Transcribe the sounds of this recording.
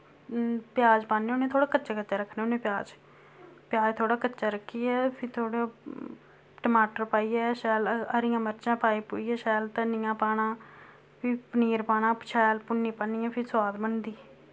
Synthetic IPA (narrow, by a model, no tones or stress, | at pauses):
pjaːd͡ʒpaːnːeːonẽːt̪ʰoːɽaːkətːt͡ʃaːkəːt͡ʃaːɾəkʰːneːonẽːpjaːd͡ʒ | pjaːd͡ʒt̪ʰoːɽaːkətːt͡ʃaːɾəkʰːiːɛːpʰɪɾt̪ʰoːɽo | ʈəmaːʈəɾpaːiːɛːʃɛːləɾɪjãːməɾt͡ʃãːpaːiːpoːiːɛːʃɛːlt̪ənɪjãːpaːnãː | pʰɪpəniːɾpaːnãːpʃɛːlpʊnːiːpəniːãːpʰɪɾswaːd̪bənd̪iː